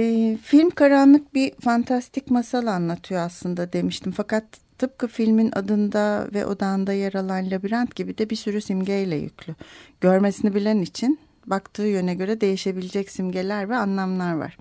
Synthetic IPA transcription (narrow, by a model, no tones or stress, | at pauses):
ɛfilʲmkʰaɾanlˠɯk̚bifant̪ʰast̪ʰicmasalˠaːnlˠat̪ʰɯjoaslˠɯnd̪ad̪e̞miʃt̪imfakat̪ʰːɯp̚kɯfilʲminʔa̰d̪ɯnd̪avɛ̰ʔo̞̰d̪aɯnd̪ajaɾalˠanlʲabiɾant̪ɟibid̪ɛbisyɾysimɟejlʲɛ̰jy̰cʰlʲyɟ̥øɾmesinibilʲenit͡ʃʰin | bakt̪ʰɯːjønɛɟø̞ɾɛd̪e̞jiʃe̞bilʲed͡ʒɛcsimɟe̞lʲæɾvɛanlˠamlˠaɾva̰ɾ̥